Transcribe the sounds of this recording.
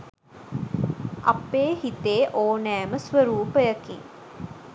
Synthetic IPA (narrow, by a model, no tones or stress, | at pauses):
ʔɐ̰pːeːhit̪eːʔoːnæːməsʋəɾuːpəjɐkḭŋ